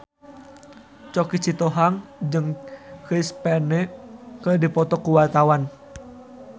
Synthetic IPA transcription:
t͡ʃɔkit͡ʃit̪ɔɦaŋd͡ʒɨŋkispɛnɛkərdipɔt̪ɔkuwart̪awan

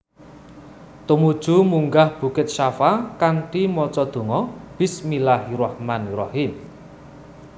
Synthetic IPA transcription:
t̪umud̥ʒ̥ṳmuŋɡahb̥ṳkɪt̪̚ʃafakanʈimɔt͡ʃɔd̪̥o̤ŋɔb̥ɪ̤smilaɦiɾɔhmanɾɔhim

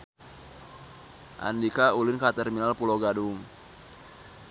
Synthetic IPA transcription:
ʔa̰ndikaulɪnkat̪ɛrminalpuloɡadʊŋ

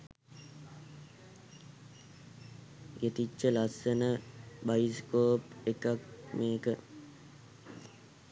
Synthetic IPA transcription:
ɡet̪it͡ʃːəlasːənəbajiskoːpekakmeːkə

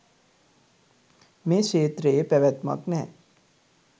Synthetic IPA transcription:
mẽːʃeːt̪ɾepɾɐʋjət̪mə̰knɛ̃

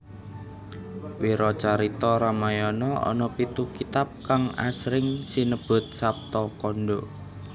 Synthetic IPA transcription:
wiɾɔt͡ʃaɾit̪ɔɾamajɔnɔɔ̰nɔpit̪ukit̪ap̚kaŋa̰sɾɪŋsinəb̥ʊ̤t̪̚sap̚t̪ɔkɔnɖo

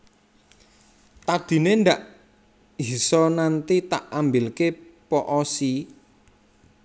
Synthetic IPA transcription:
t̪ad̪̥i̤nend̪aʔ | ɦisɔnant̪it̪aʔambilkepɔʔɔsi

